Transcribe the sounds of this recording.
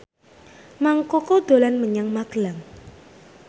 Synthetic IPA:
maŋkɔkod̪̥o̤lanməɲaŋmaklaŋ

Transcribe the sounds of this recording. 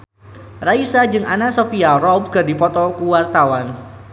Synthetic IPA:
raisad͡ʒɨŋanasofiarɔb̚kɨrdipɔt̪ɔkuwart̪awan

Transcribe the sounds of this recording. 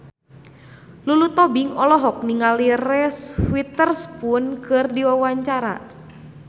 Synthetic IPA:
lulut̪ɔbiŋɔlɔɦɔk̚niŋalirɛswit̪ərspunkɨrdiwawaɲt͡ʃaɾa̰

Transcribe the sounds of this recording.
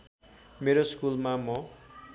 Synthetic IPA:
meɾoskulmamʌ

